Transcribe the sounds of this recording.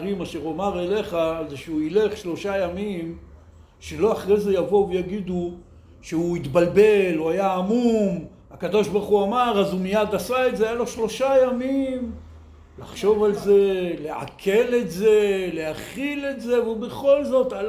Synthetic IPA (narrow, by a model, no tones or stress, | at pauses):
ʁimaʃe̞ʁomaʁele̞χazeʃeuileχʃlo̞ʃajamim | ʃelo̞aχʁejze̞javo̞vejaɡid̪u | ʃeuit̪balbe̞luajaːmum | akad̪o̞ʃbaʁχuamaʁazumijad̪asaetzeajalo̞ʃlo̞ʃajamim | laχʃo̞valze̞le̞a̰kʰe̞le̞tze̞le̞haχile̞tze̞vubeχo̞lzo̞t̪a